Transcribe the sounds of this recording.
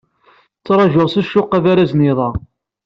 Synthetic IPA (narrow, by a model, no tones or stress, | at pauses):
t͡sːɾˤɑʒʊʁsæʃːʊqːæðaɾæznɪðˤɑ